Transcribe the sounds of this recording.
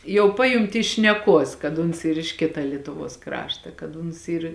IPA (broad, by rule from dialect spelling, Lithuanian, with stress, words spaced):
jɛʊ ˈpɑːjʊnʲtʲɪ ɪʃ ʃʲnʲɛˈkuɔs kɐt ˈʊns ˈiːr ɪʃ ˈkʲɪtɐ ˈlʲiɛtʊˌʋuɔs ˈkrɑːʃtɐ kɐt ˈʊns ˈiːr